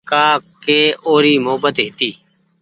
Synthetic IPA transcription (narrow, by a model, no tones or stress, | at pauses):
kaːkeːʔoːɾiːmoːbət̪ɦɪt̪iː